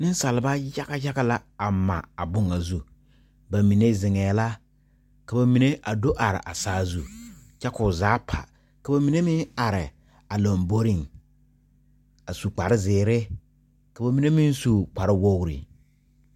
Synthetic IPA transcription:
nɪ˦n˦sa˨lɪ˨ba˦ja˦ka˦ja˦ɡa˦la˦a˨ma̰˨a˨bʊ˦ŋa˨zu˦˨ | ba˨mi˨ne˦zɪ˨ŋɛː˨la˦ | ka˨ba˨mi˨ne˦ʔa˨do˦ʔa˨ɾɪ̰˨ʔa˨saː˦zu˦t͡ʃɛ˦kʊ˨zaː˨˦pʰa̰˨ | ka˨ba˨mi˨ne˦mɪ˦ŋa˨ɾɪ˨ | a˨lo˨mbo˦ɾɪ˨ŋ | a˨su˨k͡pa˨ɾɪ˦zɪː˨ɾɪ˦ | ka˨ba˨mi˨ne˦mɪ˦nsu˦k͡pa˨ɾɪ˦wo˦ɣɾḭ˨

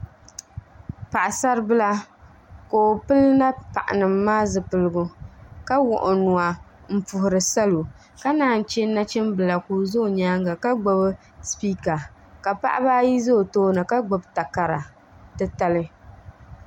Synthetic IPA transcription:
pa˨ʔa˨sa˦ɾɨ˦bɨ˦la˦ | ko˨pɨ˦lna˦pa˨ʔa̰˨nɨ˨mːaː˦zɨ˨pɨ˨lɨ˨ɡʊ˨ka˦wʊ˨ʔʊ˨nu˨a˨ | m̩˨pʊ˨hʊ˨ɾɨ˨sa˦lo˨ | ka˦naː˨˦˨n̩˨t͡ʃɛ˦na˦t͡ʃɛ˦m˦bɨ˨la˨ku˨zo˦˨ɲaː˦ŋɡa˨ka˦ɡ͡bo˦bɨ˦ | spiː˦ka˨ | ka˨pa̰˦ʔa̰˦baː˦ji˦zo˦˨toː˦nɨ˨ka˦ɡ͡bo˨bta˨ka˨ɾa˨ | tɨ˦ta˦lɨ˦

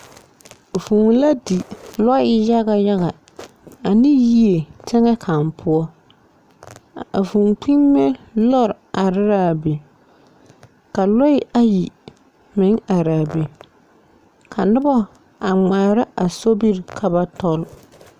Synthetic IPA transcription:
vu˨ŋ˨la˦di˨lɔ˦ɪ˦ja˦ɣa˨ja˦ɣa˨ | a˨nɪ˦ji˦e˨tʰɛ˦ŋɛ˦kʰa˨mpʰʊ˦ɔ˦ | a̰˨vu˨ŋk͡pi˦mːe˦lɔ˦˨ɾa˨ɾɪ˦ɾaː˦˨be˨ | ka˨lɔ˦ɪ˦ʔa˦ji˨ | mɪ˨˦ŋa˨ɾaː˨be˨ | kʰa˨nʊ˦bɔ˦ | a˨ŋ͡maː˨ɾa˦ʔa˨so˦bi˦ɾkʰa˨ba˦tɔ˦l

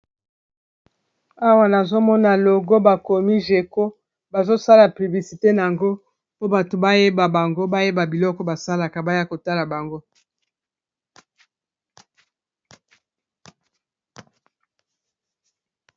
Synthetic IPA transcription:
a˦wa˨na˨zo˦mɔ˦na˨lo˨ɡo˦ba˨ko˨mi˦ʒe˨ko˦ | ba˨zo˦sa˦la˨pi˨bli˨si˨te˦na˨a˨ŋɡo˦ | po˦ba˨to˨ba˦je˦ba˨ba˨ŋɡo˦ba˦je˦ba˨bi˨lɔ˦kɔ˦ba˨sa˦la˨ka˨ba˦ja˦ko˨ta˦la˨ba˨ŋɡo˦

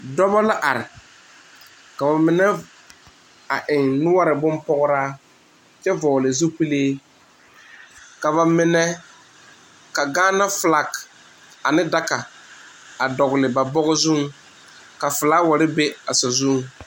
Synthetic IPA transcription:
dɔ˦bɔ˦la˦ʔa˨ɾɪ˨ | ka˨ba˨mɪ˨nɛ˦ | a˨ʔɪ˨ŋnʊ˦wa˦ɾɪ˨bʊ˦mpɔ˦ɣʊ˦ɾaː˦ | t͡ʃɛ˦vɔː˨lɪ˨zu˦pi˦leː˦ | ka˨βa˨mɪ˨nɛ˦ | ka˨ɡaː˦na˦fla˨k | a˨nɪ˦da˦ka˨ | a˨dɔ˨ɡʊ˨lɪ˨ba˨bɔ˦ɣɪ˦zu˦ŋ | ka˨fʊ˨la˦wa˨ɾɪ˦be˦a˨sa˨zu˦ŋ

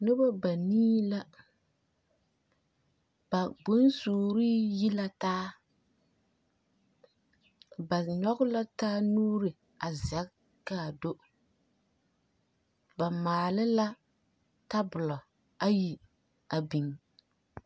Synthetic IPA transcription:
nɪ˦ba˦ba˨niː˦la˦ | b̥a˨ɡ͡bo˦nsuː˨ɾi˦ji˦la˦taː˦ | ba˨ɲɔ˦ɣɪ˦la˦taː˦nuː˦ɾɪ˨ | a˨za˦ | ka˦˨do˦ | ba˨maː˨lɪ˦la˦ | ta˦bʊ˨lɔ˨ | a˦ji˨ | a˨bi˨ŋ

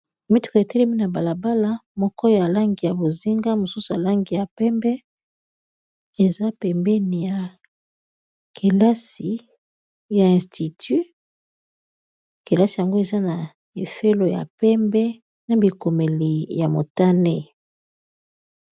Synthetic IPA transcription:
mi˦tu̥˦ko˨e˨tɛ˦lɛ˦mi˦na˨ba˨la˨ba˦la˦mɔ˦kɔ˦jo˨ja˨la˦ŋɡi˨ja˨bo˨zi˦ŋɡa˦mo˨su˦su˨ja˨la˦ŋɡi˨ja˨pɛ˦mbɛ˦ | e˨za˦pɛ˨mbɛ˦ni˨ja˨ | kʰe˨la˦si˨ | ja˨ɛ̃˨sti˨ty˦ | ke˨la˦si˨ja˨ŋɡo˦e˨za˦na˨ | e˨fe˦lo˨ja̰˨pɛ˦mbɛ˦ | na˨bi˨ko˨me˨li˨ja˨mo˨ta˦ne˦

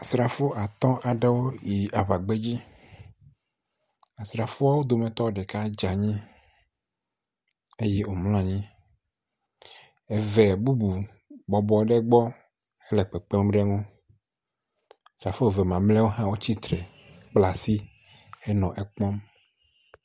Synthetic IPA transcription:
a˨sɾa˨fo˦ʔa˨t̪ɔ̃˦ʔa˨ɖe˦wo˦ji˨a˨βa˨ɡ͡be˦d͡ʑi˦ | a˨sɾa˨fo˦a˦wo˦d̪o˨mɛ̃˨t̪ɔ˦wo˦˨ɖɛ˨ka˦d͡ʒa˨ɲĩ˦ | e˦jɛ˦ʔo˨mlɔ̃˦a˨ɲĩ˦ | ɛ˨vɛ˨bu˦bu˨ | bɔ˨bɔ˨˦ɖɛ˦ɡ͡bɔ˦ | ɛ˦lɛ˨k͡pɛ˨k͡pɛ˦mɖɛ˦ŋɔ̃˦ | a˨stɾa˨fo˦˨vɛ˨mã˨mlɛ˦wo˦ɦã˦wo˦t͡ɕi˦t̪ɾɛ˨ | k͡pla˨si˦ | ɛ˦nɔ̃˨ʔɛ˦k͡pɔ̃˦m

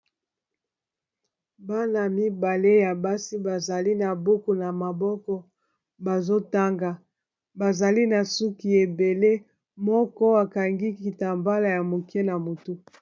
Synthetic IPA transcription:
ba˦na˨mi˦ba˨le˦ja˨ba˦si˦ba˨za˨li˦na˨bu˦ku˨na˨ma˨bɔ˦kɔ˦ | ba˨zo˦ta˦ŋɡa˨ | ba˨za˨li˦na˨su˦ki˨e˨be˨le˦ | mɔ˦kɔ˦a˨ka˨ŋɡi˦ki˨ta˨mba˦la˨ja˨mo˨kɛ˦na˨mo˨tu˦

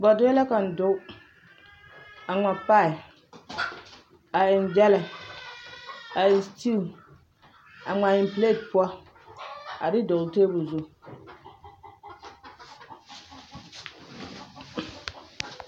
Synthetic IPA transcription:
ba˨dʊ˦ɛ˦la˦ka˨n̩˨dʊ˦ | a˨ŋ͡ma˨pa˦ɪ˨ | a˨ɪ˨nd͡ʒɛ˦la˨ | a˨ɪ˨n˨sti˦˨ | a˨ŋ͡ma˨jɪ˨mple˦˨t̚pʊ˦ɔ˦ | a˨dɪ˦do˨teː˦bʊ˨zʊ˦

